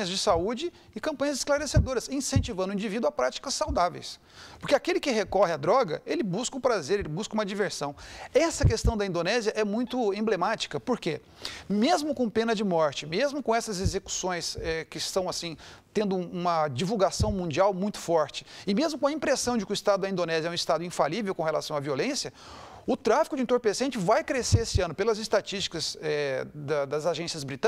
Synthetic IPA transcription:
ɲɐzd͡ʒɪsaud͡ʒɪː | kɐ̃pɐ̃ɲɐzɪsklaɾesed̪oɾɐsĩsẽnt͡ʃivɐ̃nd̪ʊĩd͡ʒivid̪ʊapɾat͡ʃi̥kɐsːawd̪avḛjs | poɾkeakelɪkɪɦekɔhɪad̪ɾɔɡɐ̰elɪbuskɐũpɾazeɾelɪbuskɐũmɐd͡ʒiveɾsɐ̃w̃ɛsɐkest̪ɐ̃w̃d̪ɐĩnd̪onɛziɐʔɛmũj̃t̪ʊẽmblemat͡ʃi̥kɐpoɾke | mezmʊkõpẽnɐd͡ʒɪmɔɾt͡ʃɪmezmʊkõɛsɐzezeku̥sõj̃sɛkɪst̪ɐ̃w̃asĩt̪ẽnd̪ʊũmɐd͡ʒivuwɡasɐ̃w̃mũd͡ʒiawmũj̃t̪ʊ̥fɔɾt͡ʃɪ̥ɪmezmʊkõɐĩpɾesɐ̃w̃d͡ʒɪkɪʊist̪ad̪ʊɐĩnd̪onɛzjɐɛũist̪ad̪ʊĩfalivewkõhelasɐ̃w̃aviolẽsjɐ | ʊt̪ɾafikʊd͡ʒɪiẽnt̪oɾpesẽnt͡ʃɪvajkɾeseesɪɐ̃nʊpelɐzɪst̪at͡ʃist͡ʃi̥kɐzɛd̪ɐd̪ɐzaʒẽsjɐzbɾit̪ɐ̃

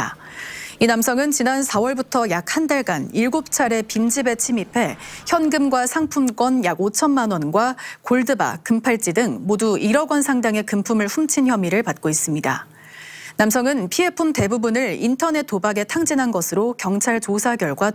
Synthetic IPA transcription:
inamsʰʌŋɯnt͡ɕinansʰawʌɭbutʰʌjak̚handaɭɡaniɭɡop̚t͡ɕʰaɾe̞pind͡ʑibe̞t͡ɕʰimipʰe̞çjʌnɡɯmɡwasʰaŋpʰumk͈wʌnjaɡot͡ɕʰʌnmanwʌnɡwakoɭdɯba̰kɯmpʰaɭt͡ɕ͈idɯŋmoduʔiɾʌɡwʌnsʰaŋdaŋe̞kɯmpʰumɯɭɸumt͡ɕʰinçjʌmiɾɯɭpat̚k͈ois͈ɯmɲida̰ | nams̬ʰʌŋɯnpʰiɦe̞pʰumte̞bubunɯɭintʰʌne̞t̚t͈ːobaɡe̞tʰaŋd͡ʑinɦanɡʌsʰɯɾokjʌŋt͡ɕʰaɭt͡ɕosʰaɡjʌɭɡwa

